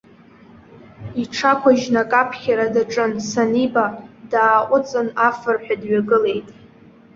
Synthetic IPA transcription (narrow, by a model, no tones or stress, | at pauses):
iʈ͡ʂʰakʷʰaʒnakʼapʰχʲaɾadaʈ͡ʂʼɨnsanibadaːqʷʼʊt͡sʼɨnafɨrħʷᶣadɥaɡɨlejtʼ